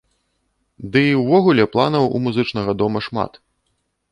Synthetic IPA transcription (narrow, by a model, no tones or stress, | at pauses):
d̪ɨiwvɔɣulʲɛplˠa̰nɐwṵmuzɨt͡ʂnɐɣɐd̪ɔmɐʂma̰t̪